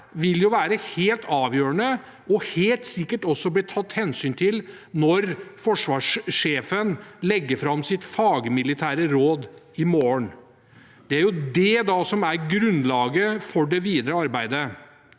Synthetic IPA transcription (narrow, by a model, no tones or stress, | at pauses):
ʋɪljʊʋæːɾəheːlt̪ʰɑːʋjøːɾənə | ɔheːlt̪sɪkːəʈɔsːɔbliːt̪ʰɑt̪ːhɛnsyːnt̪ʰɪl | nɔɾfɔʂʋɑːʂeːfənlɛɡːəfɾɑmːsɪt̪fɑːɡəmɪlɪt̪ʰæːɾəɾoːd̪ | ɪmoːəɳ | d̪̥ɛæɾjʊd̪ɛd̪ɑːsɔmæɾɡɾʉnlɑːɡəfɔɖɛʋiːd̪ɾəɑɾbæɪd̪ə